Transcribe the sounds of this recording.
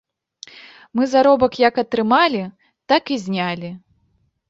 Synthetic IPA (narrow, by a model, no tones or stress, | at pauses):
mɨzaɾɔbɐkjɐkɐt̪ɾɨmalʲi | t̪akizʲnʲalʲi